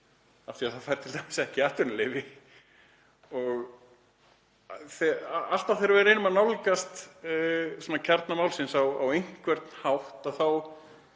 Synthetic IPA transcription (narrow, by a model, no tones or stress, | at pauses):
aft̪ɪaðθaðfajɾt̪ʰɪlt̪ʰamasɛhcɪaːht̪ʏɾnlɪvɪ | ɔɣ | θɛaal̥t̪aθejɾaɾvɛɾejnʏmaðnawlkast̪ː | sɛnacʰɛɾt̪namawlsɪnsawawejŋ̥kvɛɾt̪nhawht̪aðθaw